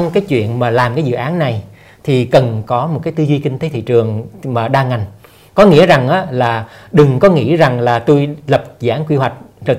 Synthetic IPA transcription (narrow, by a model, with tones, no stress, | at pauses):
wŋ͡mkaː˨˦jt͡ɕwḭ˧˨ənmaː˨˩laː˨˩mkaː˨˦jzɨ̰˧˨ʔaː˨˦nːa˨˩j | t̪ʰi˨˩kə˨˩nkɔ˨˦m˨˩t̚kaː˨˦jt̪ɨ˧zwi˧kï˧ŋ̟t̪e˨˦t̪ʰḭ˧˨t͡ɕɨ˨˩əŋmaː˨˩ɗaː˧ŋa˨˩jŋ̟ | kɔ˨˦ŋḭ˧˥əza˨˩ŋʔaː˨˦laː˨˩ɗɨ˨˩ŋkɔ˨˦ŋḭ˧˥za˨˩ŋlaː˨˩t̪u˧jlə˨˩p̚za̰ː˧˩nkwi˧ɦwa˨˩jk̟̚ | zoː˨˩